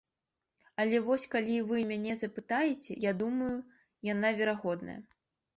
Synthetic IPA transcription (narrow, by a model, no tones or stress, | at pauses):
ɐlʲɛvɔsʲkalʲivɨmʲanʲɛzɐpɨt̪ajɛt͡sʲɛ̰jad̪umɐju | janavʲɛɾaɣɔd̪nɐ̰jɐ̰